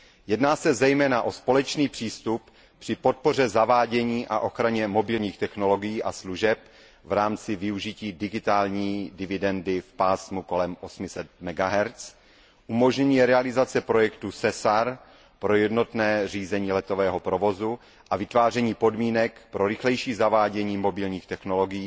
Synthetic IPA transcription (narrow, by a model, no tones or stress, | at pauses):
jɛdnaːsɛzɛjmɛːnaʔo̞spo̞lɛt͡ʃniːpr̝̥iːst̪up | pr̝̥ɪpo̞t̪̚po̞r̝ɛzavaːɟɛɲiːʔa̰ʔo̞xɾaɲɛmo̞bɪlɲiːxt̪ɛxno̞lo̞ɡɪjiːʔasluʒɛp | vɾaːmt͡sɪvɪuʒɪciːdɪɡɪt̪aːlɲiːdɪvɪdɛndɪfpaːsmuko̞lɛmʔosmɪsɛt̪mɛɡaɦɛɾt͡s | ʔumo̞ʒɲɛɲiːɛɾɛalɪzat͡sɛpɾo̞jɛkt̪usɛsaɾ | pɾo̞jɛdno̞t̪nɛːriːzɛɲiːlɛt̪o̞vɛːɦopɾo̞vo̞zu | ʔavɪt̪vaːr̝ɛɲiːpo̞dmiːnɛkpɾo̞ɾɪxlɛjʃiːzavaːɟɛɲiːmo̞bɪlɲiːxt̪ɛxno̞lo̞ɡɪjiː